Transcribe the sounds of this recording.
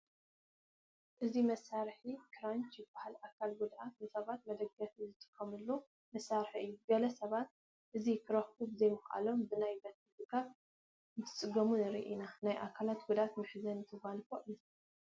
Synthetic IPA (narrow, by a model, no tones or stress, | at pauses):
ʔɨzimɐsːaɾħikʰɨɾant͡ʃjɪbːahalʔakʰalɡud̪ʔat̪̚nɨsɐβat̪̚mɐd̪ɐɡːɐfzɨt̪ʼɨ̥kʰːɐmɨlːu | mɐsːaɾħiɨjːuɡɐlɐsɐβat̪̚ | ʔɨzikʰɨɾɐxubɨzɐjmɨxʔa̰lo̞mbɨnajbɐt̪ɨt̪ɨkʰat̪ | nɨt̪ʰɨ̥t͡sʼɨɡɐmunɨɾḭʔinanajʔakʰalat̪ɡud̪at̪mɨħzɐnɨt̪ʰɨɡanfoʔɨ